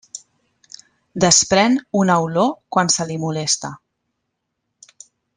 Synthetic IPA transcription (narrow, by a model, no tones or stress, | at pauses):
d̪əspɾɛnunəwlokwansəlimulest̪a